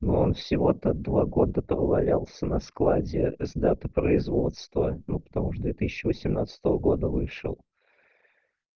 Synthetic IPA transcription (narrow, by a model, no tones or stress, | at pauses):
nuo̞nfsʲɪvo̞t̪əd̪vaɡo̞d̪əpɾəvɐlʲalˠsʲənɐsklˠadʲɪzd̪at̪əpɾəɪzvo̞t̪st̪vənupə̥t̪ɐmuʂd̪vʲet̪ɨsʲɪɕːɪvəsʲɪmnat̪sə̥t̪əvəɡo̞d̪əvɨʂɨ̰lˠ